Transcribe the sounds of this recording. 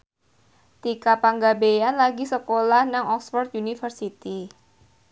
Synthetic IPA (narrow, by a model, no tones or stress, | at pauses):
t̪ikapaŋɡabejanlaɡisəkolahnaŋɔksfɔrt̪̚junifərsit̪i